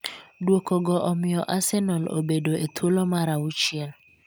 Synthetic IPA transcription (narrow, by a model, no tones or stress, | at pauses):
dwokɔɡɔʔɔmɪɔʔasɛnɔlo̰bedoetʰolomaɾaut͡ʃiel